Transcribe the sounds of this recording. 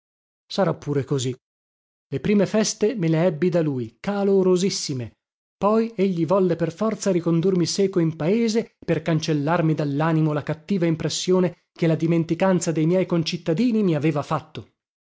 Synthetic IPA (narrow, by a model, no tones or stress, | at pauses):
saɾapːuːɾekozi | lepɾiːmefɛst̪emeleɛbːid̪aluːjkaloɾozisːime | pɔjeʎːivɔlːeperfɔrt̪saɾikond̪urmisɛːkoimpaeːzeperkant͡ʃelːarmid̪alːaːnimolakat̪ːiːvaimpɾesːjoːne | kelad̪iment̪ikant̪sad̪ejmjɛjkont͡ʃit̪ːad̪iːnimiaveːvafat̪ːo